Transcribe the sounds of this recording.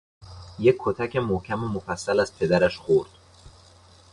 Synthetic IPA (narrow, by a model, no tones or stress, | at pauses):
jekʰːot̪ʰæcʰe̞mohcʰæmomofæsːælæzpʰe̞d̪æɾæʃxoɾd̪̥